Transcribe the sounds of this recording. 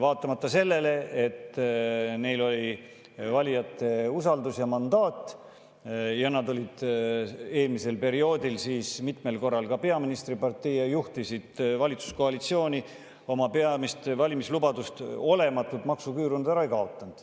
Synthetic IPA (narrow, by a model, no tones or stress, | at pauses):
vɑːt̪ˑːɑmɑt̪ːɑse̞lːe̞le̞et̪ː | ne̞jlo̞lʲi | vɑlʲijɑt̪ːˑe̞usɑld̪usjɑmɑnd̪ɑːt̪ːˑ | jɑnɑd̪o̞lʲid̪̥ | e̞ːlmise̞lpe̞ɾio̞ːd̪ilsiːsmit̪me̞lko̞rːɑlkɑpe̞ɑminist̪ripɑrt̪ːˑejejuht̪isid̪̥vɑlʲit̪su̥sko̞ɑlit̪sio̞ːnʲi | o̞mɑpe̞ɑmist̪vɑlʲimislubɑd̪ust̪o̞le̞mɑt̪ːˑult̪mɑksukyːɾund̪æɾɑekɑo̞t̪ːˑɑnd̪̥